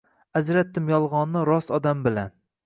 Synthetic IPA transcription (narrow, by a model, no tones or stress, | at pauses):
ad͡ʒɾat̪ːɪmjɒlˠʁɒnːɪɾɒsɒd̪ambɪlan